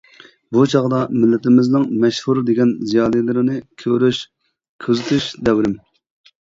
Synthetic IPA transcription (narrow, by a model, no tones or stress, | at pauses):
but͡ʃʰɑʁd̪ɑmɪlːɪt̪ɪmɪznɪŋmɛʃhuɾd̪eɡʲɛnzijɑːlˠilɪɾɪnɪkʲʰøɾyʃ | kʲʰøzɪt̪ʰyʃd̪ɛwɾɪm